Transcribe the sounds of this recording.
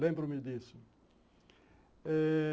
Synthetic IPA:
lẽmbɾʊmɪd̪isʊ | ɛ

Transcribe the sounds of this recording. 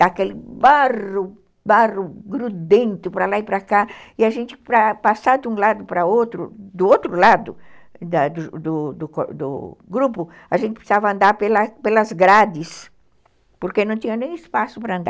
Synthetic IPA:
d̪akelɪbarʊ | barʊɡɾud̪ẽnt̪ʊpɾɐlaipɾakaiaʒẽnt̪ɪpɾapasaɾd̪ũlad̪ʊpɾɐot̪ɾʊ̰d̪ʊot̪ɾʊlad̪ʊd̪ad̪ʊd̪ʊd̪ʊkod̪ʊ̰ɡɾupʊ | aʒẽnt̪ɪ̥pe̥savɐɐ̃nd̪aɾpelɐpelɐzɡɾad̪ɪs | poɾkenɐ̃w̃t̪ĩɲɐnẽj̃ɪspasʊpɾɐɐ̃nd̪a

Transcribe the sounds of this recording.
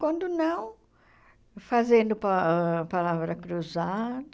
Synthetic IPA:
kwɐ̃nd̪ʊnɐ̃w̃ | fazẽnd̪ʊpaɛpalavɾɐkɾuzad̪

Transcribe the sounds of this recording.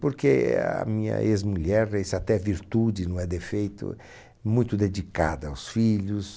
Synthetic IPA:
poɾkeɐ̰mĩɲɐ̰ʔezmuʎɛɾesat̪ɛviɾt̪ud͡ʒɪnɐ̃w̃ɛd̪efejt̪ʊ̰ | mũj̃t̪ʊd̪ed͡ʒikad̪ɐawsfiʎʊs

